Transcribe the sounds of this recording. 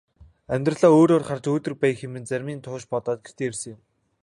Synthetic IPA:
æmʲt̪rə̆ɮɔːoːɾoːrχart͡ɕoːt̪ɵ̆k̚pæjxemɘ̆nt͡sæɾʲmiːnt̪ʰʊːʃpɔt̪ɔːt̪ɡet̪eːersɘ̆ŋjɪ̆m

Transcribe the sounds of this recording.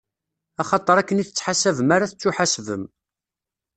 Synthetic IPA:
ɑχɑt̪ˤəɾˤækːəniθət͡sːħasævəmaɾaθət͡sːuħasvə̰m

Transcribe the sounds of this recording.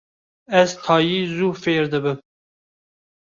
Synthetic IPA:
ɛzt̪ʰɑːjiːzuːfeːɾd̪ɨbɨm

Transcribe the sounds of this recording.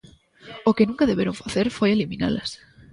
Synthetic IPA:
okenũŋkaðeβeɾõɱfaθeɾfojelimina̰lɐ̰s

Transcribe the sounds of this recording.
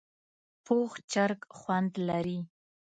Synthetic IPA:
pʰoxt͡ʃaɾkxwand̪laɾi

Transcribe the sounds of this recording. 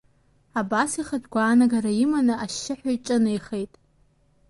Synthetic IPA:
abasiχatʰʷɡʷaːnaɡaɾaimanɨʔaʃːɪħʷᶣajʈ͡ʂʼanɨjχejtʼ

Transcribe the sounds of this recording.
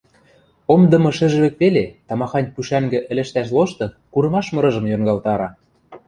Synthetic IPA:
omd̪ɤ̆mɤ̆ʃɘ̆ʒɘ̆βĕk̚βelet̪ɑmɑxɑnʲpyʃæŋɡɘ̆ʔɘ̆lʲɘ̆ʃt̪æʃ̬loʃt̪ɤ̆ | kuɾɤ̆mɑʃmɤ̆ɾɤ̆ʒɤ̆mjoŋɡɑlt̪ɑɾɑ

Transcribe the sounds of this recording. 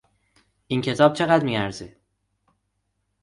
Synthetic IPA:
ʔincʰe̞t̪ʰɒːb̥̚t͡ʃʰe̞ɣæd̪miːæɾze

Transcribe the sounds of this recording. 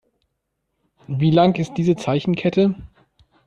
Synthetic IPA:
viːlaŋɪst̚d̥iːzət͡saɪçn̩kʰɛtʰə

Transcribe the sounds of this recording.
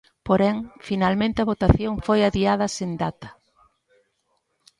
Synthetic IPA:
poɾɛŋfinalmẽnt̪ɪaβot̪aθjoŋfojaðiaðɐsend̪at̪ɐ̥

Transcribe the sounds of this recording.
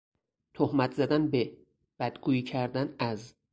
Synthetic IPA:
t̪ʰohmæt̪ʰzæd̪ænbe̞ | b̥æd̪̥ɡuːjiːcʰæɾd̪ænæz

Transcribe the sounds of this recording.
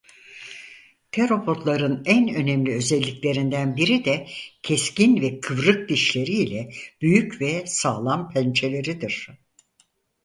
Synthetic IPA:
t̪ʰeɾo̞pʰo̞t̪lˠaɾɯnænø̞nɛmlʲiø̞zɛlʲːiclʲe̞ɾind̪ænbiɾid̪ɛcʰescinvɛkʰɯvɾɯk̚d̪iʃlʲe̞ɾiːlʲɛb̥yjycvɛsaːlˠampʰænt͡ʃʰe̞lʲe̞ɾid̪iɾ̥

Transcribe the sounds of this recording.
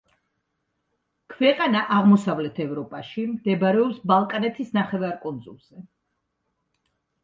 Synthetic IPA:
kʰvɛqʼanaʔaʁmɔsavlɛt̪ʰɛvɾɔpʼaʃimd̪ɛbɾɛɔpsbalˠkʼanɛt̪ʰisnaχɛvaɾkʼɔnzṵlˠz̥ɛ

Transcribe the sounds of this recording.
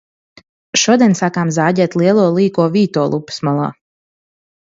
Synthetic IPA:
ʃuɔd̪iɛnsaːkaːmzaːɟʲɛːt̪lˠiɛlˠuɔlˠiːkɔviːt̪ɔːlˠʔupːɨ̥smalˠa̰ː

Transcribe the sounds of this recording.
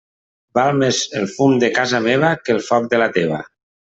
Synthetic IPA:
balˠmezelˠfumd̪əkazameβ̞akəlˠfɔk̚d̪əlat̪eβ̞a̰

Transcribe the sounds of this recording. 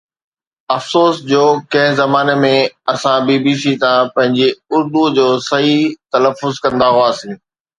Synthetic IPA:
ɐfsoːsd͡ʑoːkɐ̃ɦɪ̃zɐmaːnemẽɐsãbiːbiːsit̪ãpɐ̃ɦɪ̃ɲd͡ʑeʊɾd̪ud͡ʑoːsɐɦit̪ɐləfːʊzkɐ̃nd̪aɦuaːsĩn̆

